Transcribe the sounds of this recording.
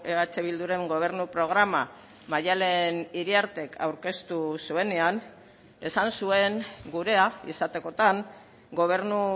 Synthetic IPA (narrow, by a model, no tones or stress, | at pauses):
eat͡ʃeβild̪uɾe̞ŋɡo̞β̞e̞ɾnupɾo̞ɣ̞ɾama | maʎale̞niɾiaɾt̪e̞kʰa̰wɾke̞st̪usue̞ne̞an | e̞sansue̞ŋɡuɾe̞aḭsat̪e̞ko̞t̪aŋ | ɡo̞β̞e̞ɾnu